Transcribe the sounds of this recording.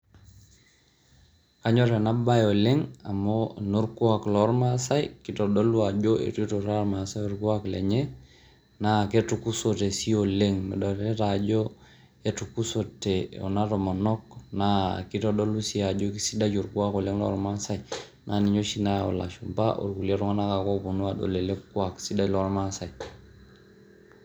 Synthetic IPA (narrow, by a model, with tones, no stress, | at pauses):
ka˦ɲɔ˦ɾe˨na˦ba˦jo˨le˦ŋa̰˨mo˦no˦ɾku˦a˨klɔ˦ɾma˦sa˦jiki˦tɔ˨ɗo˦lu˦a˨d͡ʒo˦ḛ˨tto˨ɾa˦ɾma˨sa˦jo˨ɾku˦a˦klɛ̰˨ɲe˦ | na˦ke˦tu˨ku˦so˨te˨si˦o˨le˦ŋmḛ˨ɗɔ˨tɛ˦ta˨d͡ʒo˦ | e˦tu˨ku˦so˨te˨o̰˨na˦ɾo˨ma˨nɔ˦kna̰˦ki˦to˨do˦lu˦si˦a˨d͡ʒo˦k̬i˦si˦da˦d͡ʒo˨ɾɡu˦a˦ko˨le˦ŋlɔ̰˦ɾma˦sa˦ji˨ | na˨ni˨ɲo˦ʃi˨na˦o̰˨la̰˨ʃu˨mba˦ʔo̰˨ɾɡu˨le˦ɾu˦ŋa˦na˦ka˨ko˦bu˨nu˦a˨do̰˨le˨le˦kwa˨ksi˦da˦˨lɔ˨˦ɾma˦sa˨i˨